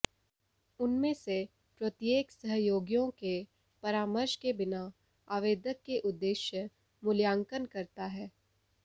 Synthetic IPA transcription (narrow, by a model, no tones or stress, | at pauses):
ʊnmẽse | pɾɐt̪jeːksəɦjoːɡjõke | pɐɾaːməɾʃkebɪna | aːʋeːd̪əkːeʔʊd̪ːeːʃjə | mʊljaːŋkənkɐɾt̪aɦɛː